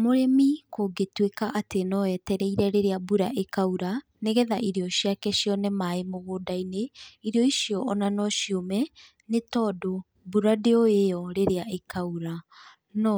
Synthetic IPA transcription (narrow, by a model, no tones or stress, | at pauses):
moɾemikoɡetwekaʔatenɔɛːtɛɾɛiɾɛɾeɾeabuɾaʔekauɾa | neɣɛðaʔiɾeɔɕiakɛɕiɔnɛmaemoɣodaineiɾeɔiʃjɔʔɔnanɔʃjomɛ | netɔdo | buɾadeɔeɔɾeɾeaʔekʰauɾa | nɔ